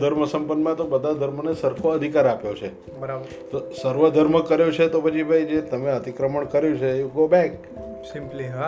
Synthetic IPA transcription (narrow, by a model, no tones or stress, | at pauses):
d̪ʱəɾməsəmpənːmãt̪obəd̪ʱad̪ʱəɾmənesəɾkʰoəd̪ʱikaɾapjot͡ʃʰe | bəɾə | t̪osəɾʋəd̪ʱəɾməkəɾjot͡ʃʰet̪opət͡ʃʰibʱajd͡ʒet̪əmeət̪ikɾəməɳkəɾjũt͡ʃʰeuɡobɛk | sɪmpli